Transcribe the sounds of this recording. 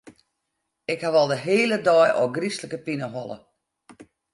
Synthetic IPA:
ɪkhaʋɔlˠdəɦeːlədɔjʔɔ̰ɡrisləkəpinəɦɔlˠə̰

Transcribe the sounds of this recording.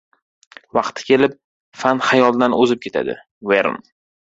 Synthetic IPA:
vɑqt̪ʰɪ̥kʲe̞lɪp̚ | fanhajɒlˠd̪anɵzɪp̚kʲʰe̞t̪ʰa̰d̪ɪ̰ | veɾn

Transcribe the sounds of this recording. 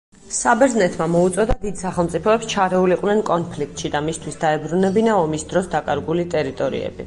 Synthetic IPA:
sabɛɾznɛt̪ʰmamɔut̪sʼɔd̪ad̪id̪saχɛlˠmt̪sʼipʰɔɛpst͡ʃʰaɾɛuliqʼwnɛnkʼɔnpʰlik̚ʰt̪ʼʃid̪amist̪ʰwisd̪aɛbɾunɛbinaɔmisd̪ɾɔsd̪akʼaɾɡulit̪ʼɛɾit̪ʼɔɾḭɛ̰bḭ

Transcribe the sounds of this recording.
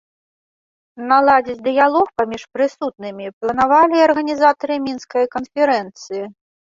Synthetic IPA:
nalˠad͡zʲit͡sʲd̪ɨjalˠɔxpamʲiʂpɾɨsut̪̚nɨmʲiplˠɐnavalʲiɐrɣɐnʲizat̪ɐɾɨmʲinskɐjkɐnfʲɛɾɛnt̪sɨji

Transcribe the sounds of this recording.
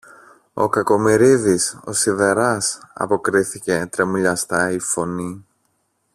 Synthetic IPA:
o̞̰kɐko̞miɾiðiso̞̰siðe̞ɾɐsɐ̰po̞kɾiθice̞t̪ɾe̞muʎɐst̪ɐifo̞ni

